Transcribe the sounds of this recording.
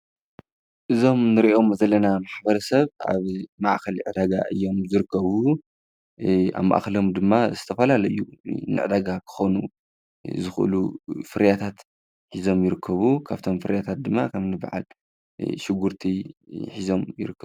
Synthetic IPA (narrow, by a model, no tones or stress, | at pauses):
ʔɨzo̞mnɨɾiʔo̞mzɐlɐnamaħbɐɾɐsɐβʔa̰βmaʔxɐlʕɨd̪aɡa̰ʔɨ̰jːo̞mzɨɾɨkːɐβu | a̰βma̰ʔxɐlo̞md̪ɨmːazɨt̪ʰɐfɐlalɐjːunɨ̰ʕɨd̪aɡakʰɨ̥xonu | zɨxʔɨ̰lufɨɾjat̪ʰat̪ | ħizo̞mjɪɾɨkʰːɐβukʰaβt̪ʰo̞mfɨɾjat̪ʰat̪̚d̪ɨmːa̰kʰɐmnɨb̰ʕa̰l | ʃɪɡuɾt̪ʰiħizo̞mjɪ̰ɾɨkːɐ